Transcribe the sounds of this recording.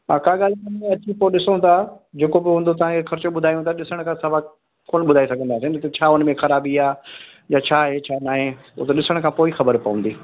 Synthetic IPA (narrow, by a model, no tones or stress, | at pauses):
ɦaːkaːɠaːl̤ɪkɐnẽɐt͡ɕipoɗɪsõt̪ʰad͡ʑeːkobɪɦũːnd̪ot̪̬ɐʋ̤ãkʰexɐɾɪt͡ɕoɓʊd̪ʱaːjũt̪ʰaɗɪsəɽ̃kʰãsɐʋa | koːnɓʊd̪ʱaːisɐɡʱə̃nd̪aːsint̪ɐt͡ɕʰaːʊnmẽxɐɾaːbiaː | jaːt͡ɕʰaːɦet͡ɕʰaːnaːɦe | o̰ːt̪ɐɗɪsəɽ̃kʰãːpoːixɐbəɾpɐʋə̃n̆d̪iː